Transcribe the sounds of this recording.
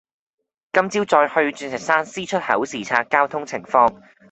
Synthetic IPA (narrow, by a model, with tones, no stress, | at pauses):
kɐ˥mt͡siː˥wt͡sɔː˧jhɵ˧ɥt͡ʃyː˧nsɪ˨˩k̚saː˥nsiː˥t͡ʃʰɵ˥t̚hɐ̰˨˥wsiː˨˩t͡sʰaː˧t̚kːaː˥wt̪ʰʊ˥ŋt͡sʰɪ˨˩ŋfɔː˧ŋ